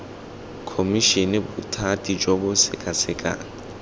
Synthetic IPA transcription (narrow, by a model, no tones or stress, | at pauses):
kʰomiʃinɛbʊtʰatʼid͡ʒɔbʊsɪkʼasɪkʼa̰ːŋɪ